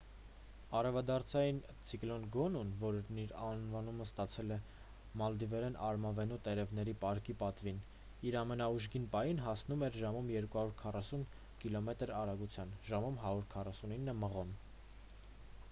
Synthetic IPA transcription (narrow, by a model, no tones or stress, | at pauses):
ɑɾɛvɑd̪ɑɾt͡sʰɑjin | t͡sʰiklɔnɡɔnunvɔɾniɾɑnvɑnuməst̪ɑt͡sʰɛlɛ | mɑld̪ivɛɾɛnɑɾmɑvɛnut̪ɛɾɛvnɛɾipɑɾkipɑt̪vin | iɾɑmɛnɑuʒɡinpɑjinɦɑsn̪umɛɾʒɑmumjɛɾkuhɑɾuɾkʰɑrɑsun | kilɔmɛt̪əɾɑɾɑɡut͡sʰjɑnʒɑmumɦɑɾuɾkʰɑrɑsuninːəməʁɔn